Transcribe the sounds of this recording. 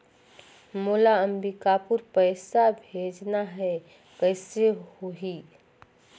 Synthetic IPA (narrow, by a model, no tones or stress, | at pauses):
moːlaəmbikapuɾpəɪsabʱeːd͡ʒnaɦɛ | kəɪsehoɦi